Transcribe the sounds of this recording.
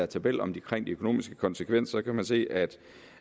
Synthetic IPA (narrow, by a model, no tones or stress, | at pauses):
æɐt͡sʰæb̥el̰ɒ̽md̥ikʰʁeŋ̰d̥iøkʰo̝no̝̰ːmisɡ̥ə̥kʰɒ̽nsəkʰʋen̰ssɒ̽kʰæmænse̝̰ːæd̥